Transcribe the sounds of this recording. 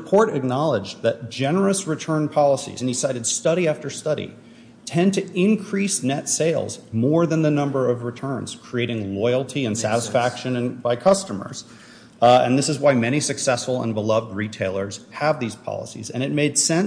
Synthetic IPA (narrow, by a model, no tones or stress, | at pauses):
pʰɔɹɾɨk̚nɑlˠəd͡ʒðɨt̚d̥ʒ̥ɛnə˞ɨsɹɨtʰɜ̃˞npʰɑlˠəsḭzɨ̃nsaɪɾɨd̥stʌɾiæftə˞stʌɾḭ | tʰɛ̃ntʰɨɪ̃nkʰɹ̥isnɛtseɪlˠzmɔɹðɨ̃nðɨnʌ̃mbə˞ʌvɹɨtʰɜ̃˞nz̥kʰɹ̥ieɪɾɪ̃ŋlɔɪl̩ˠtʰiɨ̃nsæ̰ɾəsfækʃɨ̃nɨ̃nb̥aɪkʰʌstəmə̰˞z̥ | ɨ̰̃nðɪsɨzwaɪmɛɾ̃isɨksɛsfl̩ˠə̰̃nbəlʌvd̚ɹitʰeɪlˠə˞z̥əvðiz̥pʰɑ̰lˠə̰sḭzɨ̰̃ñɨt̚meɪd̥sɛ̃n